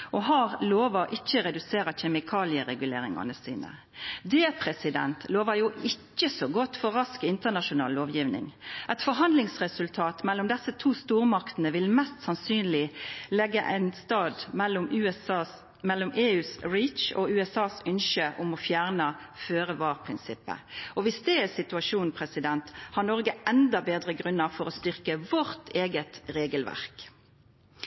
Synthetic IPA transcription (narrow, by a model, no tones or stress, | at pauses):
ʔɔɦɑʁloːʋɑʔɪçːəɾɛd̪ʉseːɾəçɛmɪkʰɑːlɪəɾɛɡʉlḛːɾɪ̰ŋɑ̰nəsḭːnə̰ | d̪ɛːpʰʁɛsɪd̪ɛ̰nt̪ʰloːʋəjuːɪcːəsoɡɔt̪ːfɔʁɑskɪnt̪ənɑʃʊnɑ̰ːlloːʋjiːʋnɪ̰ŋʔɛt̪fɔɾɦɑnd̪lɪŋsʁɛsʉlt̪ʰɑːt̪mɛlːʊmd̪ɛsːət̪ʰuːst̪uːʁmɑkt̪ənəʋɪlmɛst̪sɑnsyːnlɪlɛɡːəʔæ̰ɪnst̪ɑːd̪ʊm | mɛlːɔmeːʉːsɾiːt͡ʃɔ̰ʉːɛsɑːsʏnʃəʔʊmɔfjæːʁnə | føːʁəʋɑːʁpʰʁɪnsɪpːə̰ʔɔʋɪsd̪ɛæsɪt̪ʉɑʃuːn̩pʰʁɛsɪd̪ɛnt̪hɑnɔʁɡəɛnd̪ɑbeːd̪ʁəɡʁʉnːəʁfɔɾɔst̪ʏʁkəʋɔɾt̪ʰeːɡət̪ɾeːɡəlʋæ̰ʁk